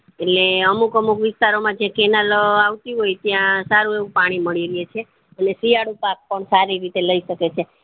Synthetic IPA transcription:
eʈleəmukəmukʋɪst̪aɾomãd͡ʒãkenaloaʋt̪iɦojt̪jãsaɾueʋũpaɽ̃iməɭiɾiet͡ʃʰe | ənesiaɽupak̚pəɳsaɾiɾit̪eləiʃəket͡ʃʰe

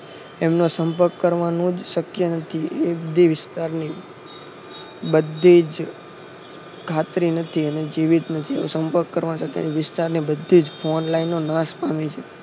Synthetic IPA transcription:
emnosəmpəɾkːəɾʋanũd͡ʒʃəkjənət̪ʰiebəd̪ʱiʋɪst̪aɾni | bəd̪ʱid͡ʒ | kʰat̪ɾinət̪ʰiened͡ʒiʋit̪nət̪ʰieo̰səmpəɾkːəɾʋañʃəkjə̰neʋɪst̪aɾnibəd̪ʱːid͡ʒfʰonlainːonãspamet͡ʃʰe

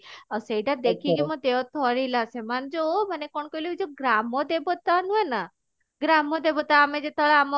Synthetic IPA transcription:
asejʈad̪ekʰiɡemɔ̃d̪eʋt̪ʰɔɾilasemand͡ʒomənekɔɳkojloid͡ʒoɡɾamɔd̪ebɔt̪anũena | ɡɾamɔd̪ebɔt̪aːmed͡ʒet̪əɭaamɔ

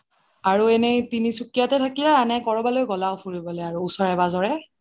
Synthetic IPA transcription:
aɹuɛnɛtinisukijatɛtʰakiɛanɛkɔɹɔbalojɡɔlawpʰuɹibɔlɔjaɹuːsɔɹɛbazɔɹɛ

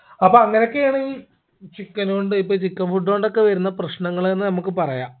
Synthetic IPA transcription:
ɐpːoːɐŋːɐnokːeaːɳɨi | t͡ɕikːɐnoɳɖɨipːoːt͡ɕikːɐmfuɖːoːɳɖo̞kːe̞ʋɐɾunːɐprɐɕnɐŋːɐɭenːɨnɐmukːɨpɐrɐjaː

